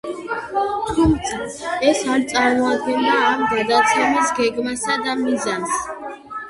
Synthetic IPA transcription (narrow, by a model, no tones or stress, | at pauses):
t̪ʰumt̪sʰaɛsaɾt̪sʼaɾmɔad̪ɡɛnd̪aːmɡad̪at̪sʰɛmisɡɛɡmasad̪amizans